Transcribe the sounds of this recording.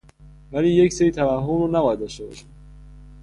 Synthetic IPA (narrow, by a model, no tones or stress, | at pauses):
væliːjecseɾiːt̪ʰævæhɦomɾɔːnæbɒːjæd̪ɔʃt̪ebɒ̰ʃid̪̥